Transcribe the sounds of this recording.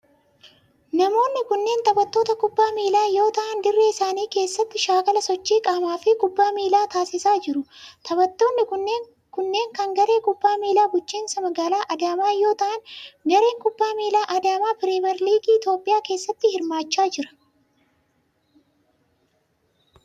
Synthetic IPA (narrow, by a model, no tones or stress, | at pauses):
nɐmo̞ːnːɪkʊnːe̞ːnt̪ɐbɐt̪ːo̞ːt̪ɐkʊbːaːmiːlaːjo̞ːt̪ɐʔɐnd̪ɪrːeːɪsaːniːke̞ːsːɐt̪ːɪʃaːkɐlɐsɔt͡ʃːiːkʼɐmaːfɪkʼʊbːaːmiːlaːt̪aːsɪsaːd͡ʒɪɾʊt̪ʰɐbɐt̪ːo̞ːnːɪkʊnːeː | kʊnːe̞ːŋkɐŋɡɐɾe̞ːkʼʊbːaːmiːlaːɡʊt͡ʃːiːnsɐmɐɡaːlaːʔɐd̪aːmaːjo̞ːt̪ɐʔɐnɡɐɾe̞ːŋkʊbːaːmiːlaːʔɐd̪aːmaːpɪɾeːmɛɾliːɡiːt̪jo̞ːpʼːɪjaːke̞ːsːɐt̪ːɪhɪɾmaːt͡ʃːaːd͡ʒɪɾɐ̥